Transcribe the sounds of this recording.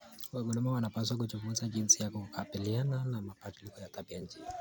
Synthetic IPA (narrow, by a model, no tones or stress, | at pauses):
waɡunɔmawanapaswak̬ut͡ʃufuzaʄinsijakukʰapiliananamapatilikɔjataɓiaɲ̩d͡ʒi